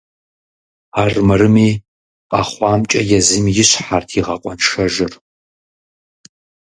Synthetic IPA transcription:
aːrmɐɾɨmiː | qʼɑχʷɑːmt͡ʃʼɐjɛzɨmjɪɕħartʰiːʁɐqʷʼɔnʃɐʒɨr

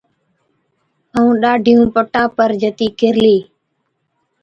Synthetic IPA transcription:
əũːɗaːɖʱɪjũːpəʈaːpəɾd͡ʒət̪iːkʰɪɾliː

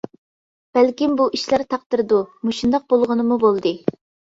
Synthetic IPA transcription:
b̥ælkʲimbuʔiʃlæɾt̪ʰɑq̚t̪ɨɾɨd̪umuʃund̪ɑq̚bolˠʁənɨmubolˠd̪ɨ

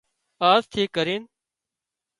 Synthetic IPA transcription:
aːzt̪ʰiːkːəɾiːn

